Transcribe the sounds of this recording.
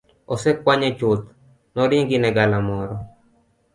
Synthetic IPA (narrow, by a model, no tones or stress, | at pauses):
ɔsɛkwaɲɛt͡ʃʊt̪ | nɔɾiŋɡɪnɛɡalamɔɾɔ